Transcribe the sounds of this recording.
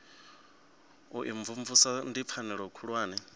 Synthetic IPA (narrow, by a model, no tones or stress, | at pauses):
uʔiɱvuɱvusandipfʰanɛɺɔkʰuɺwaːnɛ